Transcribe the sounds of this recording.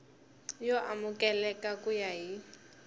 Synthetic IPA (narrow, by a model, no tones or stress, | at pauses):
jɔʔamʊkʼɛlɛkʼakʼujaɦi